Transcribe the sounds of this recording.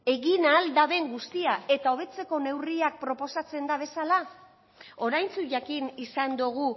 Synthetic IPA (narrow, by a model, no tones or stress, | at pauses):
e̞ɣinald̪aβe̞ŋɡust̪iae̞t̪ao̞β̞e̞t͡se̞ko̞ne̞wriak̚pɾo̞po̞sat͡se̞nd̪aβ̞e̞sala | o̞ɾajnt͡suʝakinisand̪uɣ̞u